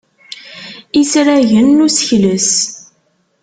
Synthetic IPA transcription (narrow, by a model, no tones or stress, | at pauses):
isɾæʝənːusə̥çləs